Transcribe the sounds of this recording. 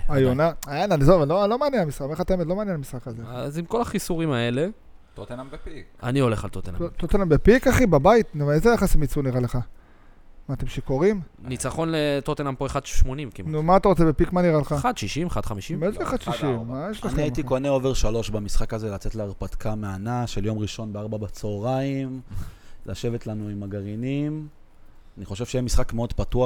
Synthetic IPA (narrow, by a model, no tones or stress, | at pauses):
ajonaajenanizovalolomaːnjenamisχakmχat̪aemetlo̞maːnjenamisχakazeazimko̞laχisuʁimae̞le̞ | tot̪enambika̰nio̞leχalt̪ot̪enat̪ot̪enambepikaχibabait̪nevaezejaχasimit͡suniʁaleχa | maːt̪e̞mʃeko̞ʁimnit͡saχo̞nlet̪ot̪enampoeχad̪ʃmonimkinumaːt̪aʁo̞t͡sebepikmaniʁaleχaad̪ʃiʃimeχad̪χamiʃimmeʃleχad̪ʃiʃimːajeʃleniait̪ikoneo̞veʁʃalo̞ʃbamisχakazelat͡set̪leaʁpat̪kʰameanaʃeljo̞mʁiʃo̞nbeaʁbabat͡soːʁaim | laʃe̞vet̪lanuimaɡaʁinim | aniχo̞ʃevʃejemisχakmeo̞d̪patua